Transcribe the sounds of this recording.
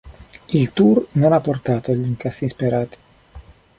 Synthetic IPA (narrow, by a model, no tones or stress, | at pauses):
ilt̪urnonapːort̪aːt̪oliŋkasːinspeɾaːt̪i̥